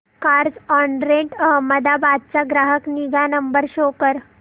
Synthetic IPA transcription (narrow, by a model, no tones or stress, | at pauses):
kaɾd͡zɔɳɾeɳʈəɦəmːəd̪abad̪̚t͡saɡɾaɦəkniɡanəmbəɾɕokəɾ